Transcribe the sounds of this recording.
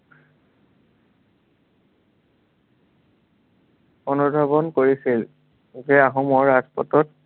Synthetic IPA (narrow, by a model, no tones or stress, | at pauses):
onubʱabɔnkoɹisil | ukɛaɦɔmɔɹazpɔtɔt